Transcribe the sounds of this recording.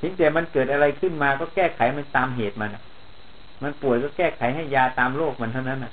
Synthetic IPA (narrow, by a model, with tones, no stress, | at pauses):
t̪ʰi˨˦ŋt̪ɛː˨˩ma˧nkɤː˨˩t̪̚ʔa˧ɾa˧jkʰɯ˥˩nmaː˧kɔː˥˩kɛː˥˩kʰa˩˦jma˧nt̪aː˧mɦeː˨˩t̪̚ma˧nʔa˨˩ | ma˧npu˨˩əjkɔː˥˩kɛː˥˩kʰa˩˦jɦa˥˩jːaː˧t̪aː˧mloː˥˩k̚ma˧nt̪ʰwna˦˥nʔa˨˩ʔ